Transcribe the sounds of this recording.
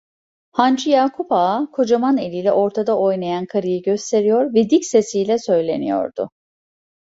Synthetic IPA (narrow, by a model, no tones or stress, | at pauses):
hand͡ʒʰɯjaːkʰupakʰo̞d͡ʒamane̞lʲilʲɛʔo̞ɾt̪ʰad̪aʔo̞jnajankʰaɾɯjɯɟøst̪ʰe̞ɾijo̞ɾvɛd̪icse̞sijlʲɛsø̞jlʲe̞nijo̞̰ɾd̪ʊ̰